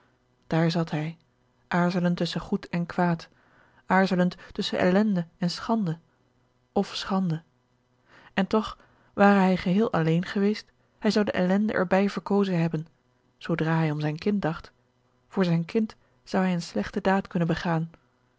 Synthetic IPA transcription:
d̥aːɹzɑtɦɛj | ʔaːɹzələntɵsəχutʰɛnkʋaːt | ʔaːɹzələnttɵsəʔɛ̰lɛndəɛnsχɑndə | ɔfsχɑndə | ɛntɔχ | ʋaːrəɦɛjχəɦɪːlˠʔɑlejnχəʋejst | hɛjzɑwdə̰ʔɛlɛndə̰ʔɛ̰ɹbɛjv̥əɹkowzənɦɛbən | z̥owdraːɦɛjɔmzɛjnkɪnt̚dɑχt | vʊːɹzɛjnkɪnt | z̥ɑwɦɛjənslɛχtədaːtkɵnənbəχaːn

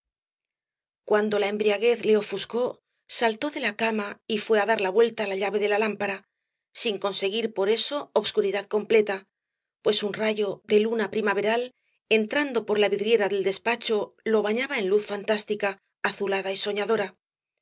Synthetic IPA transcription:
kwand̪o̞lae̞mbɾiaɣ̞e̞θle̞o̞fusko̞ | salt̪o̞ðe̞lakamaifwe̞aðaɾlaβwe̞lt̪alaʎaβe̞ðe̞lalampaɾa | siŋko̞nse̞ɣiɾpo̞ɾe̞so̞ːβskuɾiðaðko̞mple̞t̪a | pwe̞sunraʝo̞ðe̞lunapɾimaβe̞ɾal | e̞nt̪ɾand̪o̞po̞ɾlaβiðɾje̞ɾaðe̞ld̪e̞spat͡ʃo̞lo̞β̞aɲaβae̞nluθfant̪ast̪ikaː | θulaðaiso̞ɲaðo̞ɾa

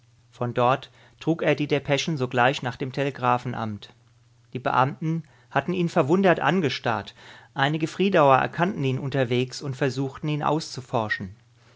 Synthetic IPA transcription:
fɔndɔɐt | tʁ̥uːkeːɐdiːdeːɐpʰɛʃn̩zoːɡlaɪçnaːχd̥eːmtʰeleɡʁaːfn̩ʔa̰mt | d̥iːbə̰ʔa̰mtn̩ | hatn̩ʔiːnfɛɐvʊndɐtʔa̰nɡəʃta̰ɐtʔaɪnɪɡəfʁ̥iːdaʊɐʔɛ̰ɐkʰantn̩iːnʔʊntɐveːksʊntfɛɐzuːxtn̩iːnʔa̰ʊst͡sufɔɐʃn̩

